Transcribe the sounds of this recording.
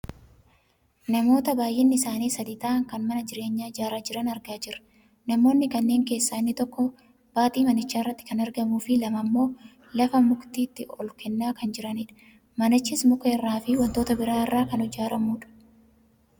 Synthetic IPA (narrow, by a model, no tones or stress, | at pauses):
nɐmo̞ːt̪ɐbaːjʔɪnːɪɪsaːniːsɐd̪it̪ɐːʔːŋkɐnmɐnɐd͡ʒɪɾe̞ːɲːaːd͡ʒaːɾaːd͡ʒɪɾɐnɐɾɡaːd͡ʒɪɾɐ̥ | nɐmo̞ːnːɪkɐnːe̞ːŋke̞ːsːaːnːɪt̪ɔkːɔ | b̥aːt̪ʼiːmɐnɪt͡ʃːaːɪrːɐt̪ːɪ̥kɐnɐɾɡɐmuːfɪlɐmɐmːo̞ː | lɐfɐmʊkt̪iːt̪ːɪɔlkɛnːaːkɐnd͡ʒɪɾɐniᶑɐ̥ | mɐnɐt͡ʃːɪsmʊkɐɪrːaːfɪwɐnt̪o̞ːt̪ɐbɪɾaːɪrːaːkɐnɔd͡ʒaːɾɐmuːᶑɐ̥